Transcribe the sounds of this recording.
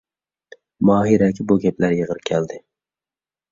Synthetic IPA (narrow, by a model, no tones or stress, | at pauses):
mɑːɦiɾɛkʲɪbuɡʲɛplæɾjəʁəɾkʲʰɛld̪ɪ